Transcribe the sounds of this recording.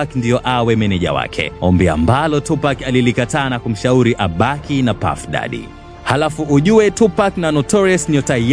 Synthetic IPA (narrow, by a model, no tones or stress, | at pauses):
akndijɔʔawɛmɛnɛʄa̰wa̰kʰɛ̰ɔmbia̰mbalɔtupakalilikataːnakum̩ʃauɾiʔaɓakinapa̰fɗa̰ɗḭ | halafuuʄuwɛtupaknanɔtɔɾɛsɲɔta